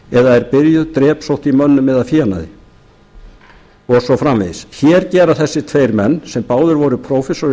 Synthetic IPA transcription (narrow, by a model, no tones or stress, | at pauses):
ɛðaɛɾpɪɾjʏðt̪ɾɛːpsowht̪imœnːʏmːɛðafjiana̰ðɪ̰ | ɔsɔfɾamvḛðsçɛːɾcɛːɾaθɛsːɪt̪ʰveːjɾmɛnːsɛmpaːwðʏɾvɔɾʏpʰɾoːwfɛsɔɾ